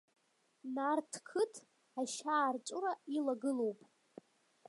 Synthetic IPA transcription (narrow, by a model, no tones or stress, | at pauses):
nartʰkʰɨtʰ | aʃaːrt͡ʃʷʼʊrailaɡɨlowpʼ